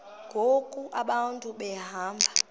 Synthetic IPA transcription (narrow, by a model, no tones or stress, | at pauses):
ŋɡʱokʼuʔaɓantʼuɓɛɦaːmbʱa